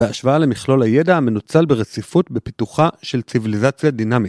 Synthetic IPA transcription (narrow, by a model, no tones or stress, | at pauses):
eaʃvaale̞miχlo̞laje̞dame̞nut͡salbeʁet͡sifutbepituχaʃe̞lt͡sivilizat͡sjadinamit